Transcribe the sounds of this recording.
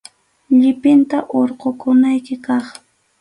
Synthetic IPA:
ʎɪpɪnt̪aʔoɾqokʊnajkɪkɑχ

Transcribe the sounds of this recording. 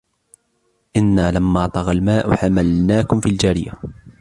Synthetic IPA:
ʔɪnːaːlamːaːt̪ˤɑɣɑlmaːʔʊ̰ħamalnaːkʊmfiːld͡ʒaːɾɪja̰

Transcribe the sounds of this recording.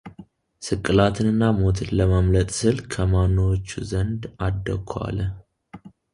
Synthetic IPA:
sɨkʼːɨlat̪ʰɨnɨnːamo̞t̪ʰɨnləməmlət̪ʼsɨlkʰəmanːowot͡ʃːuzənd̪ad̪ːəkʰːa̰l

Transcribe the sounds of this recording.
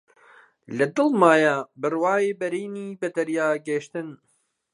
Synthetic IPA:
lɐd̪ɨlmaːjabɨrwaːjeːbɐɾiːniːbɐd̪ɐɾjaːɡeʃt̪ɨn

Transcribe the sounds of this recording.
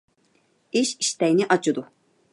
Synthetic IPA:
iʃiʃt̪ɛjniʔat͡ʃʰɯd̪u

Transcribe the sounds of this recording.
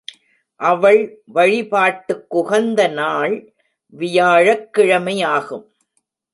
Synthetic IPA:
ʔɐʋɐɭʋɐɻɪpaːʈːɯkːʊɣɐnd̪ɐnaːɭ | ʋɪjaːɻɐkːɪɻɐmɐɪjaːɣɯm

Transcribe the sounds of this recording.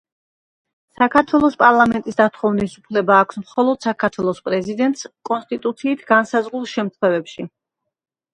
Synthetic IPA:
sakʰaɾt̪ʰwɛlˠɔspʼaɾlˠamɛnt̪ʼisd̪at̪ʰχɔvnisupʰlɛbaːkʷʰsmχɔlˠɔd̪̥sakʰaɾt̪ʰwɛlˠɔspʼɾɛzid̪ɛnt̪ʼskʼɔnst̪ʼit̪ʼut̪sʰiːt̪ʰɡ̥ansazʁulˠʃɛmt̪ʰχwɛvɛpʃi

